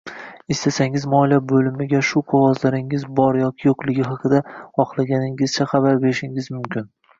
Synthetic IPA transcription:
ɪst̪ʰasaŋɪzmɒlabɵlɪmɪɡʲaʃʊqʰoʁɒzlaɾɪŋɪzbɒɾjɒkʲɪjoqlˠɪɡʲɪɦɑqʰɨd̪aχɒχlˠaɡʲanɪŋɪzt͡ʃʰaχɑbaɾbe̞ɾɪʃɪŋɪzmʊmkʲʰɪn

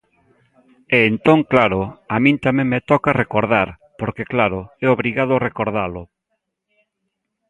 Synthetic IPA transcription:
eːnt̪oŋklaɾʊamĩnt̪amẽŋmet̪ɔkarekoɾðaɾ | poɾkeklaɾʊɛoβɾiɣað̞ʊarekoɾðalʊ

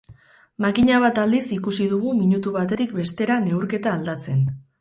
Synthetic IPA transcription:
makiɲaβat̪ald̪isikusiðuɣ̞umiɲut̪uβat̪e̞t̪ik̚be̞st̪e̞ɾane̞uɾke̞t̪aːld̪at͡se̞n

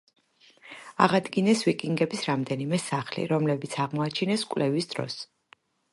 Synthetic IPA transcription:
aʁad̪ɡinɛsvikʼiŋɡɛbisɾamd̪ɛnimɛsaχlḭɾɔmlɛbit̪sʰaʁmɔat͡ʃʰinɛskʼvlʔɛvisd̪ɾɔ̰s

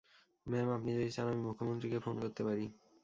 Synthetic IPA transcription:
mɛmapnid͡ʑodit͡ɕanamimukʰːomont̪ɾikefonkoɾt̪epaɾi

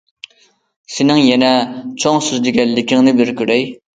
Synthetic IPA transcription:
sɪnɪŋjɛnɛt͡ʃʰoŋsyzd̪ɪɡʲɛnlɪkʲʰɪŋnɪbɪɾkʲʰyɾɛj

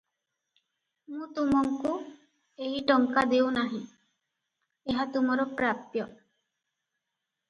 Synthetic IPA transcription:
mũt̪umɔŋku | eɦiʈɔŋkad̪ewnaɦĩ | eɦat̪umɔɾɔpɾapjɔ

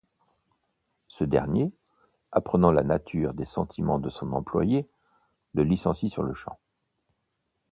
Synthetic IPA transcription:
səd̪ɛ̰ʁnje | apχənɑ̃lanat̪ʰyʁd̪esɑ̃t̪ʰimɑ̃d̪əsɔ̃nɑ̃plwa̰je | ləlisɑ̃sisyʁləʃɑ̰̃

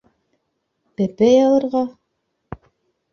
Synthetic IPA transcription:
pæpɘjɑlˠɤ̆ɾʁɑ

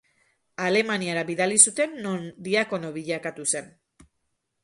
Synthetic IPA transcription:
ale̞maniaɾaβiðalisut̪e̞nːond̪iako̞no̞βiʎakat̪use̞n

